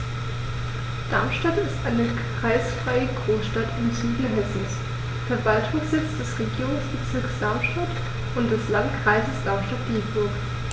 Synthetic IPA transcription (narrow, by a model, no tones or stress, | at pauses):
d̥aɐmʃtatɪstʔaɪnək | ʁ̥aɪsfʁ̥aɪəɡʁoːsʃtatɪnzyːdəɦɛsn̩s | fɛɐvaltʰʊŋsz̥ɪt͡sd̥ɛsʁeɡiːʁʊŋsb̥ət͡sɪɐksd̥aɐmʃtat | ʔʊntd̥ɛslantkʁ̥aɪzəsd̥aɐmʃtat̚d̥iːbʊɐk